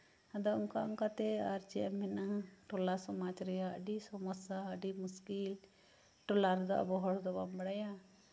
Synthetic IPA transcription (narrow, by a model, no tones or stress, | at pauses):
ad̪ɔɔŋkaɔŋkat̪ɛaɾt͡ʃɛamɛnaʈɔlasɔmat͡ʃɾɛjaə̰ɖisɔmɔsaəɖimuskil | ʈɔlaɾd̪ɔʔa̰bɔɦɔɽd̪ɔbambaɽaja